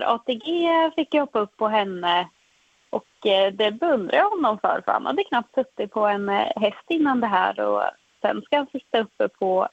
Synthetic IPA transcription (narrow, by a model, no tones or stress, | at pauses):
ɾʔɑ̰ːt̪eɡeːfɪkːjahɔpːaɵpːɔɦɛnːə | ʔɔkd̪ɛbɛɵnd̪ɾʔa̰j̪hɔnːɔmfœ̰ːɾfœɾha̰nha̰d̪ːəkʰnap̚t̪sɵt̪ːɪpʰɔɛnɦɛst̪ɪnːand̪ɛɦæ̰ːɾɔ̰ | sɛ̰nːskahansɪt̪ːaɵpːəpʰɔ